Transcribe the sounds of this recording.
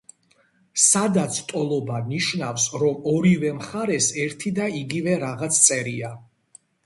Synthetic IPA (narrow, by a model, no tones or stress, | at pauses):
sad̪at̪sʰt̪ʼɔlˠɔbaniʃnafsɾɔmɔɾivɛmχaɾɛsɛɾt̪ʰid̪aiɡivɛɾaʁat̪sʰt̪sʼɛɾia